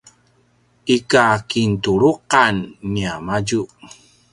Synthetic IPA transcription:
ikakintuɾuqanːiamaɟu

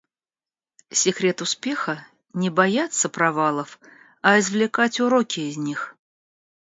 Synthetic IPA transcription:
sʲɪkɾʲe̞t̪ʊspʲe̞xə | nʲɪbɐjat̪səpɾɐvalˠəf | ɐɪzvlʲɪkatʲʊɾokʲɪːzʲnʲix

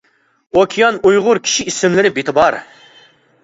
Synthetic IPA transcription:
okʲʰijɑnujʁʊɾkʲʰi̥ʃiisɪmlɪɾɪbet̪ʰɪbɑɾ

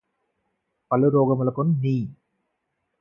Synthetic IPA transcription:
pɐluɾoːɡɐmulɐkunniː

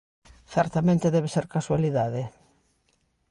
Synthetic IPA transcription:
θɛɾt̪amẽnt̪eðɛβeseɾkaswaliðaðe

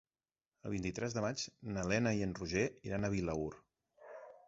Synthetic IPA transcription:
ə̰lˠβint̪it̪ɾɛzðəmad͡ʒnəlɛnəiənruʒeiɾanəβ̞iləuɾ

